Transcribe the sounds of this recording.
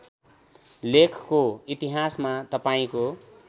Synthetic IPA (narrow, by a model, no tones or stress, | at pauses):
lekʰkoit̪iɦasmat̪ʌpaĩko